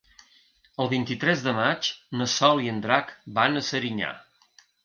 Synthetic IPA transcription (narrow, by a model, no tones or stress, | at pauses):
əlˠβint̪it̪ɾɛzðəmat͡ʃnəsɔliənd̪ɾakbanəsəɾiɲa̰